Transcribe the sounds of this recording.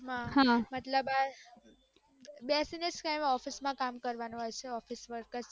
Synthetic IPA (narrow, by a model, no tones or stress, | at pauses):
mãɦãmət̪ləba | bɛsineskajmɔfismãkamkəɾʋanũɦojt͡ʃʰeɔfisʋəɾkəs